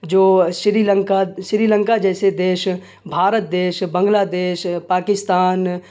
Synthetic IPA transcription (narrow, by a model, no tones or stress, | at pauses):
d͡ʒoːʃɾilə̃ŋkaʃɪɾiːlə̃ŋkad͡ʒɛːsed̪eːʃ | bʱaːɾət̪̚d̪eːʃbə̃ŋɡlad̪eːʃpaːkɪst̪aːn